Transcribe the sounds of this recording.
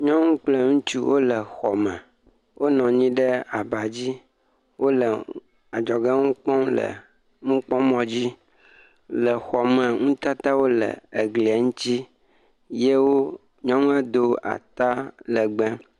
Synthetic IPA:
ɲɔ̃˦ŋũ˦k͡ple˦ŋũ˦t͡ʃu˦wʔo˦lə˨xɔ˨mɛ̃˨ | wʔo˦nɔ̃˨ɲĩ˦ɖə˦a˨ba˨d͡ʑi˦ | wo˦lə˨ | a˨d͡ʒɔ˨ɡe˦ŋũ˦k͡pɔ̃˦lə̰˨ | ŋũ˦k͡pɔ̃˦mɔ̃˨d͡ʑi˦ | lə˨xɔ˨mɛ˨ŋũ˦t̪a˦t̪a˦wo˦lə̰˨e˨ɡlŋũ˦t͡ɕ̪i˦ | je˦wo˦ | ɲɔ̃˦ŋũ˦ɛ˦d̪o˦a̰˨t̪a˦lə˨ɡ͡bɛ̃˦

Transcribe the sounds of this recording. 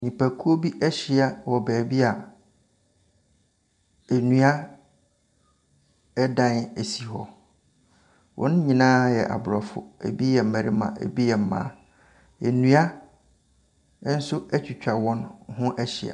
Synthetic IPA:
ɲĩ˨pʰæ˨kʰu˦o˦bi˦ʔæ˦ɕɪ˨˦a˨wɔ˨bæː˨bi˦a˨ | æ˨nũ˦a˦ | ɛ˦dã˦næ˨si˨ɦɔ˦ | wʔɔ̰̃˨˦n˦ɲĩ˨nãː˦jɛ̰˨ʔa̰˨bʊ˨ɾɔ˨fʊ̰˦æ̰˨bi˦jɛ˨m̩˨mæ̃˨ɾi˦mã̰˨ʔæ̰˨bi˦jɛ˨m̩˨mã̰ː˦ | e˨nũ˦a˦ | n̩˦sʊ˦æ˦t͡ɕᶣi˨t͡ɕᶣa˨wɔ̃˦nhʊ̃˦ʔæ˦ɕɪ˨a̰˨

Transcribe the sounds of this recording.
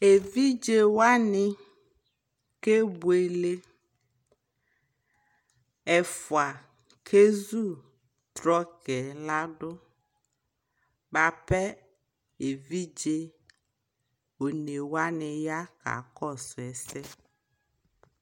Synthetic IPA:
e˨vi˦d͡ʒe˦wa˦nɪ˦ | ke˦bu˨e˨le˦ | ɛ˨fʊ˨a˨ | kʰe˦zu˦ | t̪ɾɔ˦kɛ˨la˦ɖʊ˦ | ba˨pɛ˦ | e˨vi˦d͡ʒe˦ | o˨ne˨wa˦nɪ˨ja˦ka̰˨kɔ˦˨sʊ˨ɛ˨sɛ˦

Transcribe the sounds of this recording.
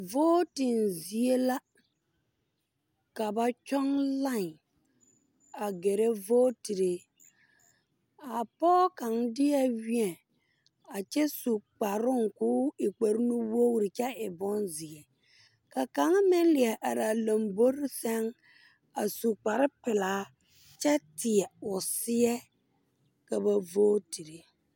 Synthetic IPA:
voː˦tɪ˨nzi˨e˦la˦ | ka˨ba˨t͡ʃɔ˦ŋla˦˨ŋ | a˨ɡe˨ɾe˦voː˦ti˨ɾe˨ | a˨pɔː˦ka˨ŋdɪ˦a˦wi˦ɛ˨ | a˨t͡ʃɛ˦su˨k͡pa˨ɾʊ˦ŋkʊː˦ɪ˨k͡pe˨ɾnu˦wo˦wɾɪ˨t͡ʃɛ˦ɪ˨bɔ˦nzɪ˨ɛ˨ | ka˨ka˨˦ŋ˦mɪ˦lɪ˨ɛ˨ʔa˨ɾa˨lo˨mbo˦ɾɪ˦sɛ˦ŋ | a˨su˨k͡pa˨ɾɪ˦pɪ˨laː˨˦ | t͡ʃɛ˦tɪ˨ɛ˨ʊ˨sɪ˦ɛ˦ | ka˨ba˨voː˦ti˨ɾe˨

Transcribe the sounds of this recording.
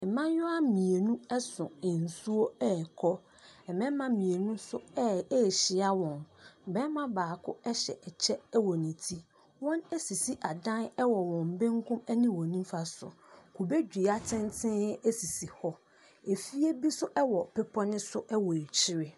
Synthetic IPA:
ɛ˨mã˦jʊ˦a˦mĩ˨e˨nũ˦ɛ˦sʊ̃˨ɪ̃˨n̩˨su˦o˦ɛ˦˨kʰɔ˦ | ɛ˨mɛ̃˦mã˦mĩ˨e˨nũ˦sʊ˦ɛ˦ɛ˦˨ɕɪ˨˦a˦wɔ̃˨nbɛ˦mã˦baː˨kʰʊ̰˦ɛ˦ɕɛ̰˨ʔɛ˨t͡ɕʰɛ˦ɛ˦wɔ˨nĩ˨tʰi˦ | wɔ̃˦nɛ˦si˨si˦ʔa˨dã˦nɛ˦wɔ˨wɔ̃˨mbɪ̃˦ŋkʰʊ̃˦mɛ˦nɪ̃˦wɔ̃˨nĩ˦m˦fa˦sʊ̰˨ | kʰu˨be˦d͡ʑᶣi˨a˦tʰɪ̃˦n˦tʰɪ̃˦ɛ˦si˨si˨hɔ˦ | e˨fi˦e˦bi˦sʊ˦ʔɛ˦wɔ˨pɛ˦pʰɔ˦nɪ̃˦sʊ˦ʔɛ˦wɔ˨e˨t͡ɕʰɪ˦ɾɪ˦

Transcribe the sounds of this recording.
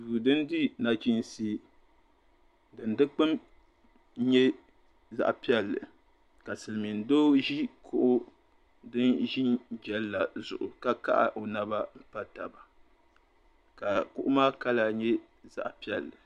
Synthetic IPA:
vu˨dɨ˦ndi˦na˨t͡ʃi˦n˦si˦ | dɨ˨ndɨ˦k͡pɨ˦m˦ | ɲɛ˦ | za̰˦ʔpi˦ɛ˦lːɨ˨ | ka˨sɨ˨lmi˨n˨doː˦ʒi˦kʰʊ˦ʔʊ˦ | dɨ˦nʒi˦nd͡ʒɛ˦lla˨zʊ̰˨ʔʊ̰˨ka˦ka̰˦ʔa̰˨ʔo˨na˦ba˦m̩˦pa˦ta˨ba˨ | ka˨kʊ˦ʔʊ˦maː˦ka˦la˨ɲɛ˦ | za̰˨ʔpi˦ɛ˨lːɨ˨

